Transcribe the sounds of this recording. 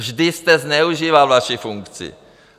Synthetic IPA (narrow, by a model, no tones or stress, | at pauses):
ʒdɪst̪ɛznɛuʒiːvalvaʃifuŋkt͡sɪ̰